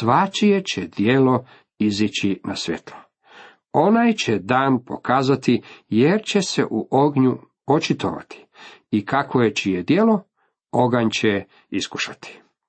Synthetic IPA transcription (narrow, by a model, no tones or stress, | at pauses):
sʋat͡ʃije̞t͡ɕed̪̥jelo | izit͡ɕinʔasʋʲjḛt̪lˠo | o̞najt͡ɕed̪aːnpo̞̰kaːzat̪ijeɾt͡ɕe̞se̞̰ʔuʔoɡɲu | ot͡ʃit̪o̞̰ʋa̰t̪ʰi̥ikakojet͡ʃijed̪je̞lo̞ | o̞ɡaɲt͡ɕe | isku̥ʃat̪i̥